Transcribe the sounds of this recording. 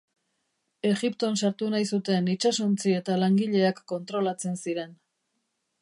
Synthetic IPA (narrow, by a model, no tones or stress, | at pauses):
e̞ɣipt̪o̞nsaɾt̪unajsut̪e̞nit͡ʃasont͡sie̞t̪alaŋɡiʎe̞akːo̞nt̪ɾo̞lat͡se̞nsiɾe̞n